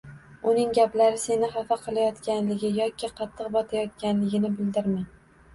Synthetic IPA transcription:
ʊnɪŋɡʲaplaɾɪse̞nɪχafaqʰɨlˠajɒt̪kʲʰanlɪɡʲɪjɒkʲʰɪqʰɑt̪ʰːɨqbɒt̪ʰajɒt̪̚kʲanlɪɡʲɪnɪbɪld̪ɪɾman

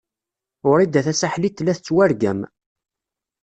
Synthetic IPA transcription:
ʊɾid̪ːæθæsaħlit̪ːlæθət͡sːwæɾɡæ̰m

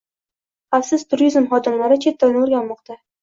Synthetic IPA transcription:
afsɪz̥t̪ʰʊɾizmχɒd̪ɪmlaɾɪt͡ʃʰe̞t̪ʰːanɪoɾɡʲanmɒqt̪ʰa

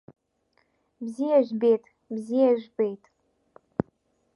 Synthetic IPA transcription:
bzijaʒbejtʼ | bzijaʒᶣbejtʼ

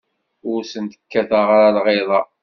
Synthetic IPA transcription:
ʊɾsənt̪ə̥kːæθaʁaɾalʁeðˤɑ

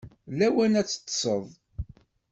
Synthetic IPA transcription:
læwænæt͡sːə̥t̪ːsˤəðˤ

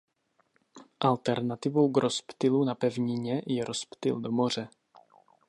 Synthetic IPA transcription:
ʔalt̪ɛɾnat̪ɪvo̞wɡɾospt̪ɪlunapɛvɲɪɲɛjɛɾospt̪ɪ̰ldomor̝ɛ

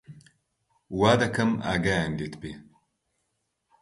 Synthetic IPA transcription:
waːd̪ɐkʰɐma̰ːɡaːjand̪eːt̪ʰbeː

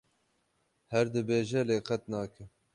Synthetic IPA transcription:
hɛɾd̪ɨbeːʒɛleːqʰɛt̪nɑːkʰɨm

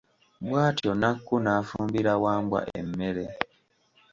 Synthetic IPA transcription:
bwaːtionakːunaːfuːmbiɾawaːmbwa̰ʔe̞̰mːe̞ɾe̞

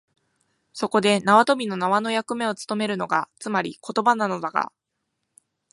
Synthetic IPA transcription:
so̞ko̞d̪e̞naβat̪o̞bʲino̞naβano̞jakɯ̟me̞o̞t͡sɨ̥t̪o̞me̞ɾɯ̟no̞ɡat͡sɨmaɾʲiko̞t̪o̞banano̞d̪aɡa̰

